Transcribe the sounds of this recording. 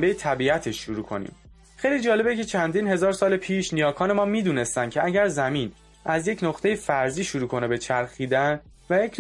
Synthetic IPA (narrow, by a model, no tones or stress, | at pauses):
bejet̪ʰæbiːæt̪ʰe̞ʃːuɾuːkʰo̞̰nḭːm | χejliːd͡ʒɒːle̞becʰe̞t͡ʃʰænd̪iːnɦe̞zɒːɾsɒːlepʰiːʃnijɒːkʰɒːne̞mɒːmiːd̪uːne̞st̪æn̥̚cʰe̞æɟæɾzæmin | ʔæzje̞cʰnoχt̪ʰe̞jefæɾziːʃuɾuːkʰo̞nebe̞t͡ʃʰæɾxiːd̪æn | væje̞cʰ